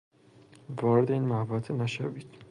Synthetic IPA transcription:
vɒːɾed̪e̞iːnmæbɒt̪ʰenæʃæviːd̪̥

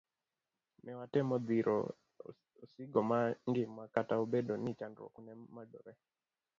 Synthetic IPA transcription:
mɛwatɛmɔðiɾʔɔ̰ | siɡɔmaŋɡimwakatauɓɛɗɔnit͡ʃandɾɔ̰kunɛmaɗɔɾɛ

